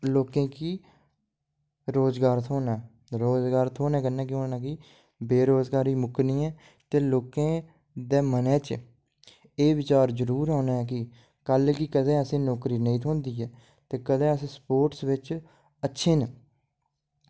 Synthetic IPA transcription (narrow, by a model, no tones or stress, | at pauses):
loːkẽːkiː | ɾoːzɡaːɾt̪ʰoːnaː | ɾoːzɡaːɾt̪ʰoːnɛːkənːɛ̃ːk̬ɪoːnãːki | beːɾoːzɡaːɾiːmʊknĩːɛː | t̪eːloːkẽː | d̪eːmənɛːt͡ʃ | eːʋɪt͡ʃaːɾd͡ʒəɾuːɾɦɔːnaːɛːkɪ | kəlkikəd̪ẽːəsẽːnoːkɾiːnəĩːt̪ʰõːnd̪iːɛː | t̪eːkəd̪ẽːəsẽːspoːʈsʋɪt͡ʃ | ətːʃʰeːn